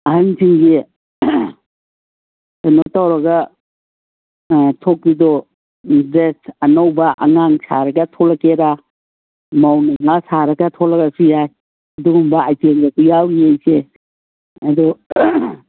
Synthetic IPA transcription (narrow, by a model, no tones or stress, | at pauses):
ɐɦansiŋɡi | anotawɾɐɡɐ | tʰok̚bidɔ | dɾesɐnawbɐʔɐ̰ŋaŋsaɾɐɡɐtʰɔlɐkeɾa | mawnaŋasaɾɐɡɐtʰɔlɐkasujaj | ɐduɡumbɐːjtemɡakujawɾiejse | ɐdɔ